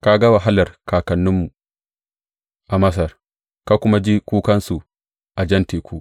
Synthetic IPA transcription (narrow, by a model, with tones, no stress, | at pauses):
ka˦ɡa˦wa˨ɦa˦lɐ˨rkaː˨kɐ˨nːʊ˦mːu˨ | ʔa˨mɐ˦s̬ɐ˨r | ka˦kʷʊ˦ma˦d͡ʒi˦kʷuː˦kɐ˦nsu˨ | ʔa˨d͡ʒɐ˦nteː˨ku˦